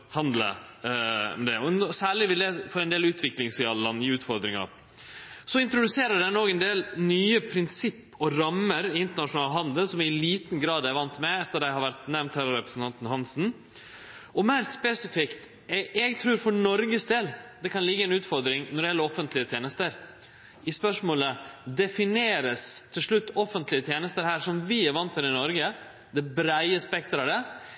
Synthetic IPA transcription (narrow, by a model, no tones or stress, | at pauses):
hɑnd̪lə̰ | ɔ̰md̪ɛɔɔsæːɭɪʋɪld̪ɛfɔɾɛnd̪eːlʉːt̪ʰʋɪklɪŋsɪɑləlɑnːɪʉːt̪fɔɾd̪ɾɪŋɑ̰ | sɔɪnt̪ɾʊd̪ʉseːɾəɖænoːɡɛnd̪eːlnyːəpʰɾɪnsɪpːɔɾɑmːəɾɪnt̪əɳɑʂʊnɑːlɦɑnd̪əlsɔmɪliːt̪n̩ɡɾɑːd̪æɾʋɑnt̪mɛɛt̪ːəd̪æɪhɑɾʋæɾʈ̪nɛmnt̪hɑɾɾɛpɾəsn̩t̪ʰɑnt̪n̩hɑnsn̩ | ɔmæɪɾspɛsɪfɪkt̪ | ɛɛɡt̪ʰɾʉːɾfɔɳɔɾɡəsd̪eːld̪ɛkʰɑnlɪɡːəæɪnʉːt̪fɔɾd̪ɾɪŋnɔɖ̪ɪjɛlːəɾɔfənt̪ʰlɪət̪ʰjeːnəst̪əɾ | ɪspœʂmoːləd̪ɛfɪneːɾəst̪ʰɪlʂɭʉt̪ːɔfənt̪lɪət̪ʰjeːnəst̪əɾhæːʂɔmʋɪæɾʋɑnt̪ʰːɛɾɪnɔɾɡə | d̪ɛbɾæɪəspɛk̚t̪ɾɑd̪ɛ